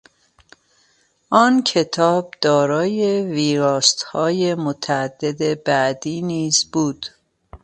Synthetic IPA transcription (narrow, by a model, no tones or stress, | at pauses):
ʔɒːncʰe̞t̪ʰɒːb̚d̪̥ɒːɾɒːje̞viːɾɒːst̪hɒːje̞mot̪ʰææd̪ːe̞d̪ebæʔd̪iːniːzbuːd̪̥